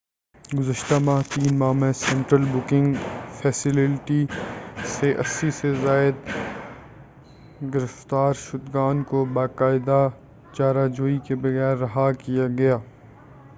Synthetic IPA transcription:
ɡʊzəʃt̪amaɦt̪iːnmaːmɛ̃sɛ̃ɳʈɾəlbʊkɪ̃ŋɡfʰɛːsɪlɪʈiseʔɐsːisezaːɪd̪ | ɡɪɾɪft̪aːɾʃʊd̪ɡaːnkobaːkaːɪd̪a | t͡ʃaːɾad͡ʒoːikebɐɣɛːɾːɐɦakijaɡɐjaː

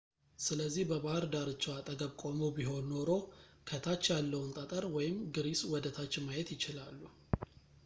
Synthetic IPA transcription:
sɨləzːihbəbahɾd̪aɾɨt͡ʃːwat̪ʼəɡəβkʼo̞mobiɦo̞nːo̞ɾo̞kʰət̪ʰat͡ʃːjalːəwunt̪ʼət̪ʼəɾwɔjɪmɡɨɾiswɔd̪ət̪ʰat͡ʃːɪmajɛt̪jɪt͡ʃɪlalːu

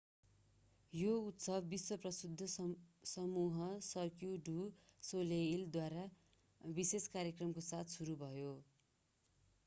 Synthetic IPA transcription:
jout̪sʌbːiswʌprʌsud̪ʱːʌsʌmuɦʌsʌkjuɖusoleild̪waɾa | biseskaɾjekrʌmkosat̪ʰsuɾubʱʌjo

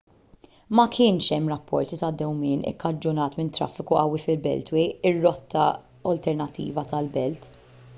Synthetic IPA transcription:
mɐkʰɪːnʃɛmːɾɐpːɔ̰ɾt̪it̪ɐd̪ːɛwmɪːnɪ̰kːɐd͡ʒːʊnɐːt̪mɪnt̪ːɾɐ̰fːɪkuʔɐwːifɪlbɛ̰lt̪wiɪrːɔt̪ʰːɐ̰ | ɔlt̪ɛɾnɐt̪ːḭːvɐt̪ɐlbɛlt̪

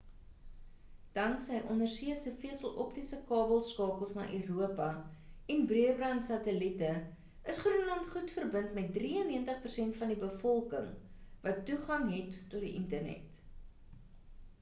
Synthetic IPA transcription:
d̥ɐŋksəjʔɔndərsiəsəfiəsəlˠʔɔp̚tisəkɑːbəlˠskɑːkəlˠsnɑ̰ːʔøːɾuəpɐɛnbriəbrɐntsɐtəlitə | əsχruənlɐntχutfərbəntmɛt̚driənːiəntəχpərsɛntfɐndibəfɔlˠkəŋvɐtːuχɐŋɦɛtːɔtdiʔəntərnɛ̰t

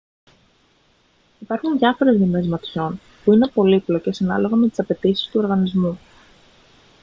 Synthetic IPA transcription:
ipɐɾxunðjɐfo̞ɾe̞zðime̞zmɐt̪ço̞n | puine̞po̞liplo̞ce̞sɐnɐ̰lo̞ɣɐmet̪i̥sɐpe̞t̪isi̥st̪uo̞ɾɣɐnizmu

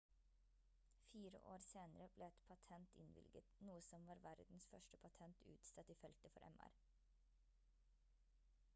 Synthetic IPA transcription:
fiːɾə̰ʔoːɾseːnəɾəbleːɛt̪pʰɑt̪ʰɛnt̪ɪ̰nʋɪ̰lɡət̪nuːəsɔmʋɑːɾʋæɾd̪n̩sfœʃʈəpʰɑt̪ʰɛnt̪ʰʉ̰ːt̪sɑt̪iːfɛlt̪əfɔɾʔɛ̰mæ̰ɾ

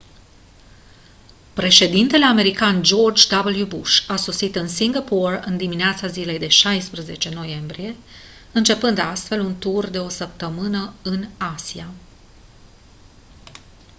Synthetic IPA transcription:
pɾe̞ʃe̞d̪int̪e̞le̞ame̞ɾikand͡ʒo̞rd͡ʒd̪abəljubuʃaso̞sit̪ɨnsiŋɡaporɨ̰nd̪imineat̪sazile̞jd̪e̞ʃajspɾəze̞t͡ʃe̞no̞je̞mbɾije̞ | ɨnt͡ʃe̞pɨnd̪ast̪fe̞lunt̪urd̪e̞o̞səp̚t̪əmɨnəɨnasia

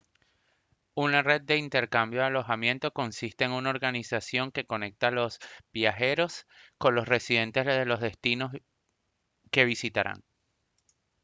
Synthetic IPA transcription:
unare̞d̪̚ːe̞int̪e̞ɾkambjo̞ðalo̞xamjẽ̞nt̪o̞ko̞nsist̪e̞ːŋunao̞ɾɣanisasjo̞ŋke̞ko̞ne̞k̚t̪alo̞sb̥jaxe̞ɾo̞sko̞nlo̞sre̞siðe̞nt̪e̞zðelo̞zðe̞st̪ino | ke̞βisit̪aɾa̰ŋ

